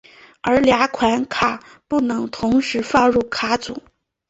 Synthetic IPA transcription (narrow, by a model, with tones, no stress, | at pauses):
ə˧˥lja˧˥kʰwa˧˥nkʰa˥˩ | pu˥˩nɤ˧˥ŋt̪ʰʊ˧˥ŋʂɻ̩˧˥fɑ˥˧ɻu˥˩kʰa˥t͡sṵ˨˩˦